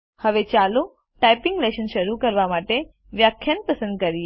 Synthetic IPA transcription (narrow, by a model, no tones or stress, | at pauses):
həʋet͡ʃalu | ʈajpɪ̃ŋɡleʃənʃəɾukəɾʋamaʈe | ʋjakʰːjanpəsə̃nd̪̚kəɾi